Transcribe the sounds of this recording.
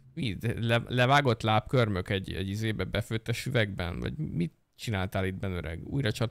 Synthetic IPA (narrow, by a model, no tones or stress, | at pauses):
iːd̪ɛlɛlɛvaːɡo̞t̪laːpkørmøkɛɟɛ̰ɟizeːbɛbɛføːt̪ːɛʃyvɛɡbɛ̰nvɒ̰ɟmit̪ | t͡ʃinaːlt̪aːlid̪bɛnøɾʔɛ̰ɡṵːjɾɒt͡ʃɒt̪